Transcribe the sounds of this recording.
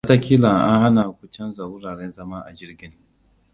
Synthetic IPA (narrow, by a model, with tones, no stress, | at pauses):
a˦ta˦kʲiː˦la˨ʔa̰˦ha˦na˨kʷʊ˦t͡ʃɐ˦nza˨wʊ˦ɾaː˨ɽe˦nzɐ˦maː˦ʔa̰˨d͡ʒɪ˦rɡʲɪ˦ŋ